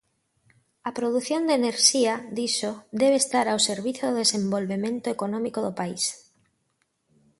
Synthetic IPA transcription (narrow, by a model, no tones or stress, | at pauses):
ɐpɾoðuθjond̪eneɾʃiaðd̪iʃod̪ɛβest̪aɾawseɾβ̞iθjoðoðesembolβemẽnt̪ʊekonɔ̃mikoðopais